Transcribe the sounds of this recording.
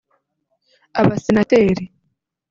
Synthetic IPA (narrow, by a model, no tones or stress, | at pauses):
aβasenateɾi